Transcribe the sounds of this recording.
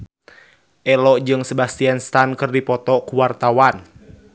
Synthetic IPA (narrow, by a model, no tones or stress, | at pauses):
ʔɛlɔʔd͡ʒɨŋsəbast̪ianst̪ankɨrdipɔt̪ɔkuwart̪awan